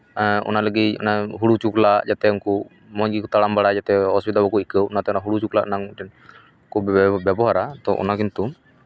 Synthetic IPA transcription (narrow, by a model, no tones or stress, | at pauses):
ɔ̰naləɡit̪ɔnaɦuɽut͡ʃuklaʔd͡ʒat̪ɛunkɔ | mɔɲɡikɔt̪aɽambaɽad͡ʒat̪ɛɦɔspit̪albɔkɔikəwɔnat̪ɛɔnaɦuɽut͡ʃukla̰ʔnaŋ | kubbɛbɔɦaɾat̪ɔʔɔ̰nakint̪u